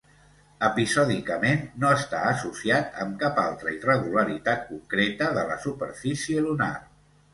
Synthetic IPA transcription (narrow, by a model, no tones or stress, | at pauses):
əpizɔðikəmenːoəst̪a̰əsusiat̪ə̰mkapalˠt̪ɾəirəɣ̞uləɾit̪at̪̚kuŋkɾet̪əðələ̰supəɾfisiəluna̰r